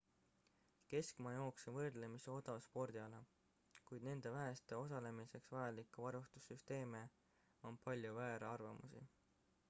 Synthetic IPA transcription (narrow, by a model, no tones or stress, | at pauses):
ke̞skmɑjo̞ːksevɤrd̪̥le̞miseo̞d̪ɑspo̞rd̪̥iɑlɑ | kujd̪ne̞nd̪̥e̞væɦest̪e̞o̞sɑle̞mise̞ksvɑjɑlikːˑuvɑɾust̪usːyst̪e̞ːme | o̞npɑlʲjuvæːɾeɑrvɑmusḭ